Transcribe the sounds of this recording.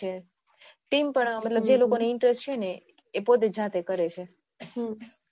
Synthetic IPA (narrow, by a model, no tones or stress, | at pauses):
e | ʈimpəɳmət̪ləbd͡ʒelokoneɪɳʈɾesʈt͡ʃʰeneː | pot̪ed͡ʒãt̪ekəɾet͡ʃʰe